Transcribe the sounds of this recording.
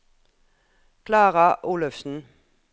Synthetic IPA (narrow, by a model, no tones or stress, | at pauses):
kʰlɑːʁɑʔuːləfsn̩